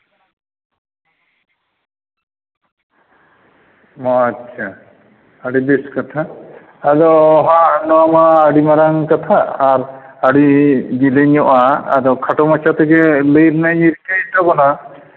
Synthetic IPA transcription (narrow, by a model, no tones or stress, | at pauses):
mɔatːt͡ʃʰaː | ɽibiskat̪ʰaː | d̪ɔɦaʔnɔamaːɽimaɾaŋkat̪ʰaːɾaɽid͡ʒileɲɔʔa̰ːd̪ɔwkʰaʈɔmat͡ʃʰat̪ʰɛkɛləjɾnaiɾkajt̪abɔna